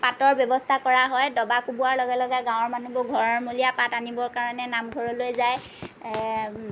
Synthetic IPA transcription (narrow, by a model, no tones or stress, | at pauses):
patɔɹbjɔbɔstʰakɔɹaɦɔjdɔbakubuaɹlɔɡɛlɔɡɛɡãwɔɹmanubɔɡʱɔɹɔɹmulijapatanibɔɹkaɹɔnɛnamɡʱɔɹɔlojzaj